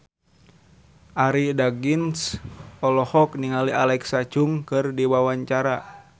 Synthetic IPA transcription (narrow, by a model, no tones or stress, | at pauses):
ʔaɾidaɡinsɔlɔhɔkniŋaliʔalɛksat͡ʃuŋkɨrdiwawaɲt͡ʃaɾa